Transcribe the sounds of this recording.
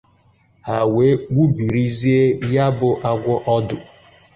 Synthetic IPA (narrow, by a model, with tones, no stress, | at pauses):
ha˨we˨˦wu˦bi˨ɾi˦zi˦e˦ja˦bʊ˦ʔa˦ɡʷɔ˦ʔɔ˦dʊ˨